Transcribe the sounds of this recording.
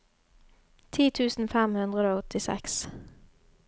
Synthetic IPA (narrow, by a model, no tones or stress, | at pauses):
t̪ʰiːt̪ʰʉːsn̩fɛmhʉnd̪ʁəd̪oːɔt̪ɪsɛ̰ks